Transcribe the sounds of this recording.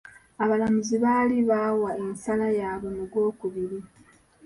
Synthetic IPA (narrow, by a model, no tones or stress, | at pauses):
aβalamuziβaːliβawaensalajaːβo̞noɡwo̞ːkuβiɾi